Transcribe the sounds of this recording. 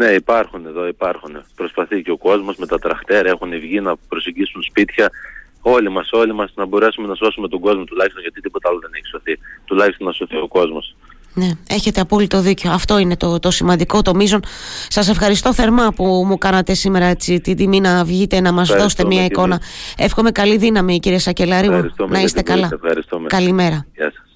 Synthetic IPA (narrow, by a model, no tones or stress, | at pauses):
ne̞ipɐɾxune̞ðo̞ipɐɾxunepɾo̞spɐθiceo̞ko̞zmo̞zme̞t̪ɐt̪ɾɐxt̪e̞ɾe̞xunivʝinɐpɾo̞seɟisunspit̪çɐ | o̞limɐso̞limɐsnɐbo̞ɾe̞sume̞nɐso̞sume̞t̪o̞ɡo̞zmot̪ulɐçist̪onʝɐt̪it̪ipot̪ɐɐloðe̞ne̞çi̥so̞θit̪ulɐçist̪onɐso̞θio̞ko̞zmo̞s | ne̞e̞çe̞t̪e̞ɐpo̞lit̪o̞ðiceoɐft̪o̞ine̞t̪o̞t̪o̞simɐnd̪iko̞t̪o̞mizo̞nsɐse̞fxɐɾist̪o̞θe̞ɾmɐpumukɐnɐt̪e̞sime̞ɾɐet͡sit̪id̪iminɐvʝit̪enɐmɐzðo̞se̥t̪emiɐiko̞nɐe̞fxo̞me̞kɐliðinɐmiːciɾiesɐce̞lɐɾiɐɾist̪umnnɐist̪ekɐlɐefɐ̰ɾḭst̪umḛkɐlime̞ɾɐʝɐ̰sɐ̥s